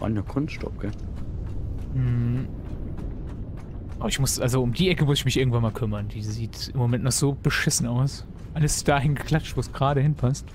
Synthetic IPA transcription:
va̰njakʰʊnstʃtɔ̰p̚ɡ̥ɛ | m̩h̩ | ʔabɪçmʊsʔalzoʊmdiːʔɛkəmʊsɪçmɪçʔɪɐɡŋ̩tvanmaːlkʰʏmɐnd̥iːziːtʔɪmomɛntnɔχz̥oːb̥əʃɪsn̩aʊs | ʔaləsd̥aːɦɪnɡəkl̥at͡ʃtv̥oːsɡ̥ʁaːɾəhɪnpʰast

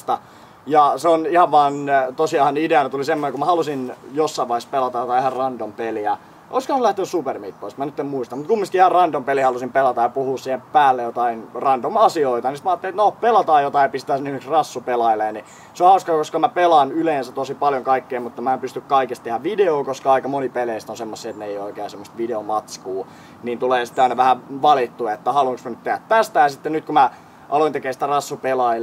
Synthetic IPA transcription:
st̪ɑ | jɑseonihɑʋʋɑːnt̪osiɑhɑnideɑnɑt̪ulisemːonekumæhɑlusinjosːɑiʋɑispelɑt̪ɑjot̪ɑihɑrrɑnd̥ompeliæ | ʔoiskohɑnulæht̪eːsupermḭt̪poismænyt̪ːemmuist̪ɑmut̪̚kumːist̪iihɑrrɑnd̥ompelihɑlusimpelɑt̪ɑjɑpuhuːssiːhepæːlːejot̪ɑinrɑnd̥omɑsioit̪ɑnisi̥t̪mæɑːt̪ːelit̪nopelɑt̪ɑːjot̪ɑijɑpist̪æːsnyheksrɑsːupelɑileːni | seohɑuskɑkoskɑmæpelɑnyleːnsæt̪osipɑljoŋkɑikːeːmut̪ːɑmæeːmpyst̪ykkɑikest̪t̪ehæʋʋideoːkoskɑɑikɑmonipeleist̪onsemːosːiːet̪neijooikeæsemːost̪ʋideomɑt̪skuː | niːnt̪uleːsi̥t̪ːeɑinɑʋæhæʋɑlit̪ːuɑet̪ːæhɑluɑŋksmænyt̪t̪ehæt̪t̪æst̪æjɑsit̪ːennyt̪̚kumæ | ʔɑloint̪ekeːsi̥t̪ærɑsːupelɑi

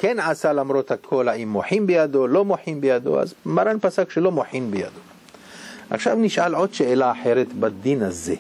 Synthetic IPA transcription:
kenʕasalamɾo̞t̪hakʰo̞laimːoħimbejad̪o̞lo̞moħimbejad̪o̞̰a̰zmaɾanpasakʃelo̞moħinbeja̰d̪o̞ | ʔa̰χʃavniʃʔalʕo̞d̪ʃeelaːħe̞ɾet̪bad̪inhaze̞

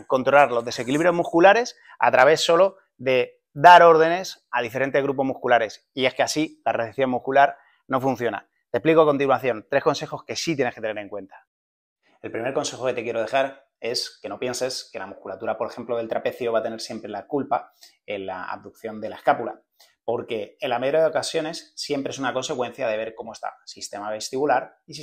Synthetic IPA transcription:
ko̞nt̪ɾo̞laɾlo̞zðe̞se̞kiliβɾjo̞zmuskulaɾe̞s | a̰t̪ɾaβe̞sːo̞lo̞ | ðe̞ | d̪aɾo̞ɾð̞e̞ne̞saðifeɾe̞nt̪e̞ɣɾup̬o̞zmuhkulaɾe̞s | ie̞skeasilareθeθjo̞mmuhkulaɾ | no̞fun̟θjo̞na̰ | t̪ehplikoako̞nt̪̬inwaθjo̞nt̪ɾe̞hko̞nse̞xo̞ske̞sit̪je̞ne̞sket̪ene̞ɾeŋkwe̞nt̪ḁ | e̞lpɾime̞ɾko̞nse̞xo̞ke̞t̪ekje̞ɾo̞ð̞e̞xaɾ | e̞ske̞no̞pje̞nse̞ske̞lamuhkulat̪uɾapo̞ɾexe̞mplo̞ðe̞lt̪ɾape̞θjoβat̪e̞ne̞ɾsje̞mpɾe̞lakulpa | e̞nla̰a̰β̚d̪uk̚θjo̞nd̪e̞lae̞skapula | po̞ɾke̞ːnlame̞ðɾjaðokasjo̞ne̞sːje̞mpɾesunako̞nse̞kwe̞n̟θjaðe̞βe̞ɾko̞moe̞st̪a̰sist̪e̞maβe̞st̪iβulaɾis

